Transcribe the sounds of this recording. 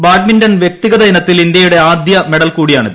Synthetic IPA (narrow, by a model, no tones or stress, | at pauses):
baːɡmindɐnʋje̞k̚t̪iɣɐðɐinɐt̪ːilind̪jɐjuɽe̞aːd̪jɐme̞ɽɐlkuːɽijaːɳɨðɨ